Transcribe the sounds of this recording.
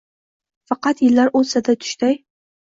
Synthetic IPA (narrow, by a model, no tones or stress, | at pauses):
fɑqɑt̪jɪlːaɾʔʊsad̪at̪ʰʊ̥ʃt̪aj